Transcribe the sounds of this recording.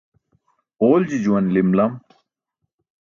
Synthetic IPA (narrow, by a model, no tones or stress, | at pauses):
oːld͡ʑid͡ʑuwɐnlimlɐm